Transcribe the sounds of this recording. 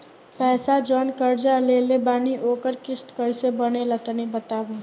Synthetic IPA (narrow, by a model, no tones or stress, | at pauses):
pɛːsad͡ʒɔːnkəɾd͡ʒaleːlebaːniʔoːkəɾkɪst̪kəɾsebənelət̪nibət̪aːboː